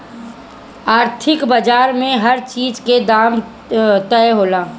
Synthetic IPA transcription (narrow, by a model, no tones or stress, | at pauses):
aːɾt̪ʰɪkbəd͡ʒaːɾmẽɦɐɾt͡ʃiːzked̪aːm | t̪əjɦoːlaː